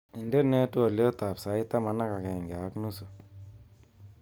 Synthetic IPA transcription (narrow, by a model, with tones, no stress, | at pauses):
i˨nde˦ne˦tu˦a˨lo˦t̪a˨psa˨˦i˦t̪a˦ma˨na˦ka˨ke˨ŋɡa˨˦knu˦su˨